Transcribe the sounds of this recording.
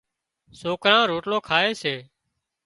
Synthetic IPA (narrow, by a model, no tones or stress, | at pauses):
soːkɾãːɾoːʈloːkʰaːeːseː